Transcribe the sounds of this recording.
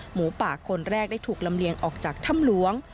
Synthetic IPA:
muː˩˦paː˨˩kʰo˧nɾɛː˥˩k̚da˥˩jt̪ʰuː˨˩k̚la˧mli˧əŋʔɔː˨˩k̚t͡ɕaː˨˩k̚t̪ʰa˥˩mlu˧˦˥əŋ

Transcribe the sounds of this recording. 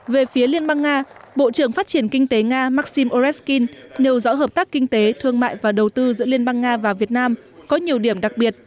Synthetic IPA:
ve˨˩fi˨˦əli˧ənɓa˧ŋːaː˧ɓo̰˧˨t͡ɕɨ˧˩əŋfaː˦˥t̚t͡ɕi˧˩ənkï˧ŋ̟t̪e˨˦ŋaː˧maː˦˥t̚si˧mʔo˧zɛ˦˥ski˧nːe˨˩wzɔ̰˧˥ɦəː˨˩p̚t̪aː˦˥kkï˧ŋ̟t̪e˨˦t̪ʰɨ˧əŋma̰ː˧˨jvaː˨˩ɗə˨˩wt̪ɨ˧zɨ̰˧˥əli˧ənɓa˧ŋːaː˧vaː˨˩vi˨˩ət̚naː˧m | kɔ˨˦ɲi˨˩əwɗi˧˩əmɗa˨˩k̚ɓi˨˩ət̚

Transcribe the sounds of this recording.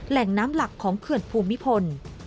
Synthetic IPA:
lɛ˨˩ŋnaː˦˥mla˨˩kʰːɔː˩˦ŋkʰɯ˨˩ənpʰuː˧mːi˦˥pʰo˧n

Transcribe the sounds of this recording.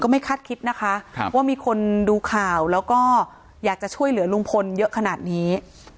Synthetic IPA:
kɔː˥˩ma˥˩jkʰa˥˩t̪̚kʰi˦˥t̪̚na˦˥kʰa˦˥ʔwaː˥˩miː˧kʰo˧nduː˧kʰaː˨˩wlɛː˦˥wkɔː˥˩ | jaː˨˩k̚t͡ɕa˨˩t͡ɕʰu˥˩əjlɯ˨˩˦ɐlu˧ŋpʰo˧njɤ˦˥ʔkʰa˧naː˨˩t̪̚niː˦˥

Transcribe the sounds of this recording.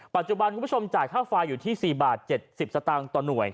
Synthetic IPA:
pa˨t̪̚t͡ɕu˨˩ba˧nkʰu˧˦˥o˧mt͡ɕaː˨˩jkʰaː˥˩faː˧jːuː˨t̪ʰiː˥˩siː˨˩baː˨˩t̪̚t͡ɕe˨˩t̪̚si˨˩p̚sa˧t̪aː˧ŋt̪ɔː˨˩nu˨˩əj

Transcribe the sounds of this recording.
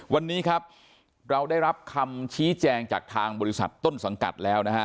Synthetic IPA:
wa˧nːiː˦˥kʰa˦˥p̚ | ɾa˧wdaː˥˩jɾa˦˥p̚kʰa˧mt͡ɕʰiː˦˥t͡ɕɛː˧ŋt͡ɕa̰ː˨˩k̚t̪ʰaː˧ŋbɔː˧ɾi˦˥sa̰˨˩t̪ːo˥˩nsa˩˦ŋka̰˨˩t̪̚lɛː˦˥wna˦˥kʰa˦˥

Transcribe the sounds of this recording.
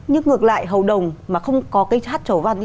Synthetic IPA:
ɲɨ˧ŋŋɨ˨˩ək̚la̰ː˧˨jɦə˨˩wɗə˨˩wŋ͡mmaː˨˩xə˧wŋ͡mkɔ˨˦kːjt͡ɕaː˦˥t̚t͡ɕə˧˩va̰˧˩n

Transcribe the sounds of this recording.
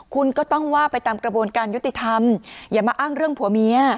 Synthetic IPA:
kʰu˧nkɔː˥˩t̪ɔ˥˩ŋwaː˥˩pa˧jt̪aː˧mkɾa˧bu˧ə˧nkaː˧nju˦˥t̪i˨˩t̪ʰa˧mjaː˨˩maː˧ʔaː˥˩ŋɾɯ˥˩əŋpʰu˩˦mi˨˦˥ɐ

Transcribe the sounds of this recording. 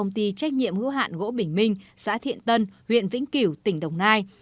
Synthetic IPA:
ə˧wŋ͡mt̪i˧t͡ɕa˦˥jk̟̚ɲḭ˧˨əmhɨ̰˧˥əɦa̰ː˧˨nɣo̰˧˥ɓï˧˩ŋ̟mï˧ŋ̟sa̰ː˧˥t̪ʰḭ˧˨ənt̪ə˧nhwḭ˧˨ənvḭ˧˥ŋ̟ki˧˩wt̪ï˧˩ŋ̟ɗə˨˩wŋ͡mnaː˧j

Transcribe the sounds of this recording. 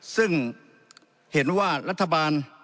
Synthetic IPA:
sɯ˥˩ŋ | he˩˦nwaː˥˩ɾa˦˥t̪ʰːa˧baː˧n

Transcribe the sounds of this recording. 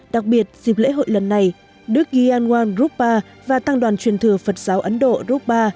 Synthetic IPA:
ɗa˨˩k̚ɓi˨˩ət̚z̥i˨˩p̚lḛ˧˥ɦo̰˧˨jlə˨˩nːa˨˩j | ɗɨ˦˥ək̚ɣi˧ʔaː˧nŋwaː˧nzu˦˥p̚ɓaː˧ | vaː˨˩t̪aː˧ŋɗwaː˨˩nt͡ɕwi˨˩ənt̪ʰɨ˨˩əfə˨˩t̚z̥aː˨˦wʔə˨˦nɗo̰˧˨zu˦˥p̚ɓaː˧

